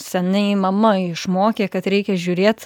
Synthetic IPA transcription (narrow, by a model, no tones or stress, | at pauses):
sʲɛnʲɛɪmɐmɐɪʃmoːkʲeːkɐt̪ɾʲɛɪkʲɛʒʲuːɾʲeːt̪